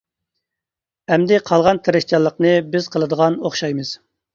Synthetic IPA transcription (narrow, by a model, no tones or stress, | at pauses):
ɛmd̪ɪqʰɑlˠʁɑnt̪ʰeɾɪʃt͡ʃɑlˠːəqnɨbɪzqʰəlˠɨd̪əʁɑnoχʃɑjmɨz̥